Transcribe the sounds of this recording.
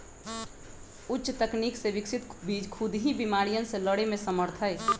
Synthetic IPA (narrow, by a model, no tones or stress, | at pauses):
ʊtːʃt̪əkniːkseʋɪksɪt̪kʰʊd̪ɦibimaːɾijənseləɽemẽsəməɾt̪ʰəj